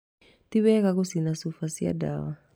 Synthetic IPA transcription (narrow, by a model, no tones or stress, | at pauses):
tiβɛkakusinasufasia̰da̰wa